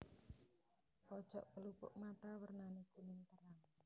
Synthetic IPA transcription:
pɔd̥ʒ̥ɔʔpəlupʊ̰ʔmat̪awərnanikunɪŋt̪əɾaŋ

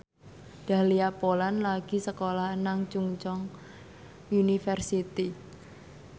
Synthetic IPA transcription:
d̪̥a̤liapolanlaɡ̥i̤səkolaɦnaŋt͡ʃuŋt͡ʃɔŋ | junifərsit̪i

